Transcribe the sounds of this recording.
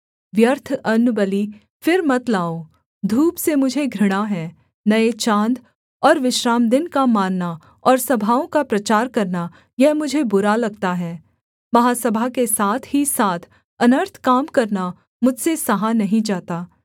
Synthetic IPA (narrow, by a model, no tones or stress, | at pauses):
ʋjəɾt̪ʰɐnːʊbəli | fɪɾmɐt̪laːo | d̪ʱuːpsemʊd͡ʒʱeɡʱɾɪɽ̃aɦɛ̃ː | nɐet͡ʃãːnd̪ | ɔːɾʋɪʃɾaːmd̪ɪnkamaːnːa | ɔːɾsɐbʱaːõkapɾɐt͡ʃaːɾkɐɾna | jɛɦmʊd͡ʒʱebʊɾalɐɡ̚t̪aɦɛː | mɐɦaːsɐbʱakesaːt̪ʰɦisaːt̪ʰ | ɐnəɾt̪ʰkaːmkɐɾna | mʊd͡ʒʱsesɐɦanɐɦĩd͡ʒaːt̪aː